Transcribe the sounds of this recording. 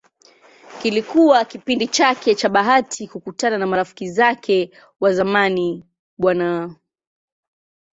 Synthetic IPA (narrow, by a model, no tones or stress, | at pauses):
kilikuwakipindit͡ʃakɛt͡ʃaɓaɦatʰikukutananamaɾafi̥kizakʰɛ | wazamani | ɓwana